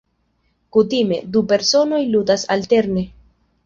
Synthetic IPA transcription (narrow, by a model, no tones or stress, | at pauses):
kutime̞dupe̞ɾso̞no̞jludasa̰lte̞ɾne̞